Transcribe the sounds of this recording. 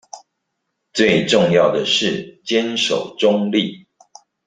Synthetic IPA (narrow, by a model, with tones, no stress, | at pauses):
t͡swe˥˨ɪʈ͡ʂʊ˥˨ŋjɑ˥˨˩ʊd̪ə˩ʂɻ̩˥˨t͡ɕjɛ˦nʂo̰˨˩ʊʈ͡ʂʊ˦ŋli˥˨